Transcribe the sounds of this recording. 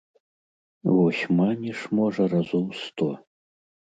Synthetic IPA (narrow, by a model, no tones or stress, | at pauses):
vɔsʲmanʲiʂmɔʐɐrazumst̪ɔ